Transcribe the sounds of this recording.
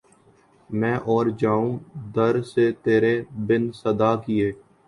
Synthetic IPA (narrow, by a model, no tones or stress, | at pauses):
mɛ̃ːʔɔːɾd͡ʒaːũːd̪əɾset̪eːɾebɪnsəd̪aːkieː